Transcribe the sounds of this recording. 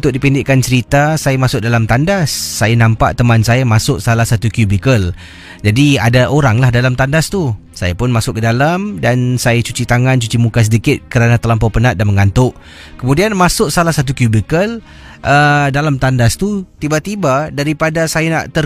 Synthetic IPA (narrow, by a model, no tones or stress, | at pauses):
ut̪ʊk̚dipindɪʔkant͡ʃəɾit̪asajamasʊk̚dalamt̪andasːajanampa̰ʔt̪əmansajamasʊʔsalahsat̪ukjubikəl | d͡ʒadiadaʔoɾaŋlahdalamt̪andast̪u | sajapʊnmasʊkːədalamdansajat͡ʃut͡ʃit̪aŋant͡ʃut͡ʃimukas̬ədikɪt̪̚kəɾanat̪əlampɔpənat̪̚danməŋant̪ʊʔ | kəmũdianmasʊk̚salahsat̪̬ukjubikəl | ʔədalamt̪andast̪ut̪ibat̪ibadaɾipadasajanaʔt̪ə